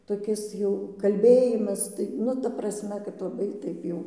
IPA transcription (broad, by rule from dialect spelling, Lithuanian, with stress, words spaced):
toːˈkʲɪs jɛʊ kɐlʲˈbʲeːjɪmɐs tɐɪ ˈnʊ tɐ prɐsʲˈmʲɛ kɐt lˠɐˈbɐɪ ˈtɐɪp jɛʊ